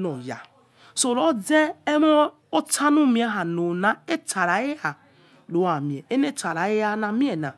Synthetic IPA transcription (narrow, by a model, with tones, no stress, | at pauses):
nɔ˨ja̰˨ | so˨ɾo˦d͡ze˦e˦mɔ˦ | o˦tʰa˦nu˦mi˨˦a˦ɦa˨no˨na˨˦e˦ta˨ɾa˨˦e˦a˨ | lo˨˦a˨mĩ˨ɛ˨e˦ne˦ta˨ɾa˨je˦a˦na˨mi˦ɛ˨nã˨